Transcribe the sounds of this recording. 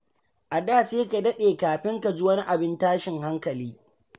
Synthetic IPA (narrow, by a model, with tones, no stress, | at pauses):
ʔa˨daː˦˨seː˦ka˨dɐ˦ɗeː˨kaː˨ɸɪ˦ŋka˨d͡ʒi˦wɐ˦ni˦ʔa˨bɪ˦ntaː˦ʃɪ˨ŋha˦ŋkɐ˨liː˦